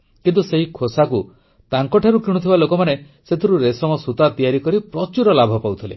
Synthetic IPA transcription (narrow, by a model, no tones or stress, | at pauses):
kint̪useɦikʰosaku | t̪aŋkɔʈʰaɾukiɽ̃ut̪ʰibalokɔmane | set̪ʰiɾuɾesɔmɔsut̪at̪ijaɾikɔɾipɾɔt͡ʃuɾɔlabʱɔpawt̪ʰilḛ